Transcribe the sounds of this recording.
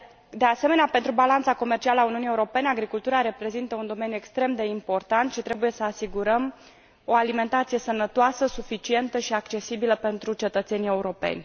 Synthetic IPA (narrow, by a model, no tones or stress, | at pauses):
d̪e̞ase̞me̞neape̞nt̪ɾubalant̪sako̞mert͡ʃialəauniunieuɾo̞pe̞neaɡɾikult̪uɾaɾe̞pɾe̞zint̪əund̪o̞me̞nʲjue̞kst̪ɾe̞md̪e̞impo̞rt̪ant̪ʃit̪ɾe̞buje̞səasiɡuɾəm | o̞alime̞nt̪at̪sije̞sənət̪oasəsufit͡ʃie̞nt̪əʃiakt͡ʃe̞sibiləpe̞nt̪ɾut͡ʃe̞t̪ət̪se̞nijeuɾo̞pe̞̰nʲ